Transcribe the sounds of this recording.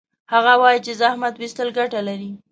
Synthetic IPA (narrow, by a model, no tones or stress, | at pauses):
haɣawɑjit͡ʃezahmat̪wist̪əlɡaʈalaɾi